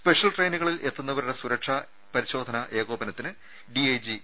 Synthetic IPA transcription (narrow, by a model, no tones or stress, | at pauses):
spe̞ʂjɐlʈrejnuɣɐɭilʔe̞t̪ːɐnːɐʋɐɾuɽesuɾɐʂɐ | pɐɾiɕo̞ːd̪ʱɐnɐʔe̞ːɣoːbɐnɐt̪ːinɨ | ɖiejd͡ʑi